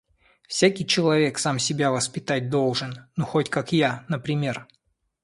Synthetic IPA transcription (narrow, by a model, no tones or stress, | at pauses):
fsʲakʲɪjt͡ɕɪlˠɐvʲe̞ksamsʲɪbʲavəspʲɪt̪at̚ʲd̪o̞lˠʐɨnnuxotʲkakjanəpɾʲɪmʲe̞r